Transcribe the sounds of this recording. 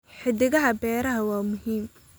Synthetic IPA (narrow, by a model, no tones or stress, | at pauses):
ħɪðɪɣɐɦɐbɛːɾɐɦɐwaːmʊɦiːm